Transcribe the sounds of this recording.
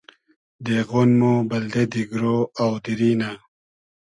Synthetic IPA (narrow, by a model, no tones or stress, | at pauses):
d̪eɣonmobɐld̪ed̪iɡɾoawd̪iɾiːna